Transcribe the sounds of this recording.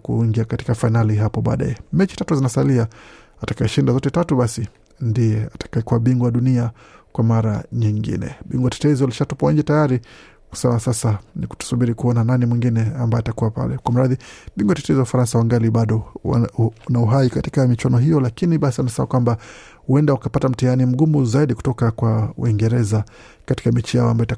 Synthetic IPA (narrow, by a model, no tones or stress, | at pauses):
kṵŋɡiakati̥kafainaliɦapɔɓa̰ːɗa̰jɛmɛt͡ʃi̥tatuzinasalia | atakajɛʃindazɔtɛtatuɓasi | ndijɛatḁkaɛkuwaɓiŋɡwɔaɗunia | kwamaɾaɲiŋɡḭnɛ̰ɓiŋɡwatɛ̥tɛzialiʃatupawaɲd͡ʒɛtajaɾi | ku̥sɛmasasaniku̥tu̥suɓiɾikuɔnananimwiŋɡinɛambajɔatakuwapa̰lɛ̰kwam̩ɾaðiɓiŋɡwatɛtɛziwaufaɾansawaŋɡaliɓaɗɔ | nauɦaikati̥kamit͡ʃwanɔɦijɔlakiniɓasianasɛma̰kwamba | huɛndaukapatam̩tianim̩ɡumuzaiɗiku̥tɔkakwaw̰iŋɡɛɾɛza | kati̥kamit͡ʃijaɔa̰mbajita